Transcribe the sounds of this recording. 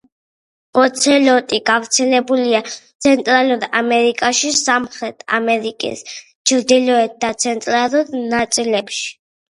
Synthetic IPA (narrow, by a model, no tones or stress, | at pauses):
ɔt̪sʰɛlɔt̪ʼiɡavɾt̪sʰɛlɛbuliat̪sʰɛnt̪ʼɾaluɾamɛɾikʼaʃisamχɾɛt̪ʰa̰mɛɾikʼḭs | t͡ʃʰɾd̪ilɔɛt̪̚d̪at̪sʰɛnt̪ʼɾaluɾnat̪sʼilɛpʃi̥